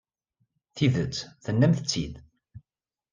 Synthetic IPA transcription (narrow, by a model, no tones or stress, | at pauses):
θiðət͡sːθənːæmθət͡sːid̪